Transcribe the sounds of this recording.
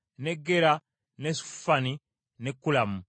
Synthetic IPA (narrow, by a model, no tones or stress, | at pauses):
neɡːeɾa | nesu̥fani | nekːulamu